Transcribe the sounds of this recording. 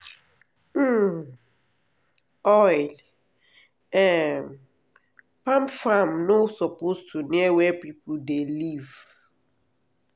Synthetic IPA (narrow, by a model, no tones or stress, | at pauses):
m̩ | ɔjl | ɛm | pãmfamnosɔpostʰuniɛwɛpip̩deliv